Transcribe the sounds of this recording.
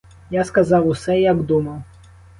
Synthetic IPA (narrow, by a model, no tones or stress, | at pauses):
jaskazawusɛjaɡd̪umɐw